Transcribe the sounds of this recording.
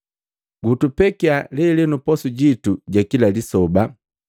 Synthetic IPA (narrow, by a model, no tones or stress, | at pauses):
ɡutupɛkialɛlɛnupɔsuɟituɟakilalisɔba